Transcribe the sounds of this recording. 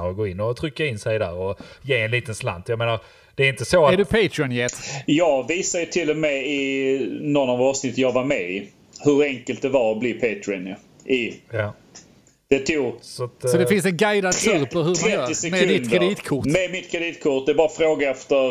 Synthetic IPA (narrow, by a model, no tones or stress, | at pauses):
ɔɡoːɪnːɔt̪ʰɾʏkːaɾɪnsɛjd̪æ̰ːɾɔjeːɛnliːt̪ənsla̰nt̪ʰjɑɡmeːnaɾ | d̥̪ɛæɾɪnt̪əsoæɖɵpʰeɪt̪ɾɪɔnjɛt̪ːjɑːɡviːsajət̪ʰɪlːɔmɛɪ | nɔnːavɑːvsnɪt̪ːəjɑːɡvaɾmɛɪ | hɵɾɛŋkəlt̪̚d̪ɛvaɾɔblɪpʰeːt̪ʰɾɪənja̰ | ɪja | d̪̥ɛt̪ʰusɔt̪sɔd̪ɛfɪnsɛnɡajd̪ad̪kʰʉːɾpɔɦɵɾmaɾɛœːɾɪsɛmɛd̪ɪt̪dk̪ɾɛd̪iːt̪kʰʊmɛmɪt̪̚kʰɾɛd̪iːt̪kʰʊʈ̚d̪ɛɾbɑːɾafɾoːɡaɛft̪əɾ